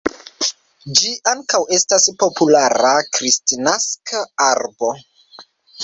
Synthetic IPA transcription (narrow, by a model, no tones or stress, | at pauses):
d͡ʒiʔaŋkawe̞staspo̞pulaɾakɾistinaskʰaaɾbo̞